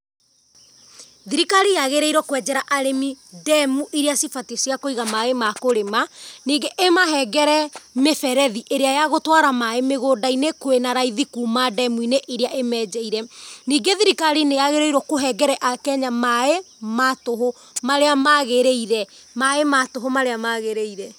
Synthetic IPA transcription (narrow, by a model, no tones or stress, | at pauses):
ðiɾikaɾijaɣeɾeiɾɔkwɛd͡ʒɛɾaʔaɾemidɛmuʔiɾeasifatisjakoiɣamaemakoɾemaniːɡeʔemaɦɛɡɛɾɛmefɛɾɛðiʔeɾeajaɣotwaɾamaemeɣoːdainekwenaɾaiðikuːmadɛmuineʔiɾeaʔemɛːd͡ʒɛiɾɛniːɡeðiɾikaɾinejaɣeɾeiɾɔkoɦɛɡɛɾɛʔakɛɲamae | matoɦo | maɾeamaɣeɾeiɾɛ | maematoɦomaɾeamaɣeɾeiɾɛ